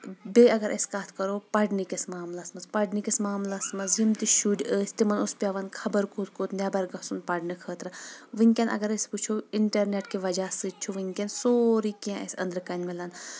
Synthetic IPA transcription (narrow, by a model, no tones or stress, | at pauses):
beɐɡɐɾʔɐ̰sʲkaːt̪ʰkɐɾoːpɐɽnikʲɐsmaːmlaːsmɐzpɐɖnikʲɐsmaːmlasmɐnzjimt̪iʃuɖʲəːsʲt̪imɐnuspʲjaʋɐnkʰɐbɐɾkoːt̪̚ʰkoːt̪nɛbɐɾɡɐsunpɐɽnɨkʰəːt̪ɾɐʋɨnʲkʲenʔɐ̰ɡɐɾɐsʲput͡ʃʰoiɳʈɐɾneʈkiʋɐd͡ʒaːsɨt͡ʃʰuʋɨnʲkʲensoːɾikiãɐ̰sʲɐ̰nd̪ɾkɐnʲmelɐn